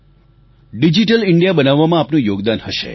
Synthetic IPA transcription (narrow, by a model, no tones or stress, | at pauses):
ɖid͡ʒiʈəlɪɳɖijabənaʋːamãːpnũjoɡd̪anɦəʃḛ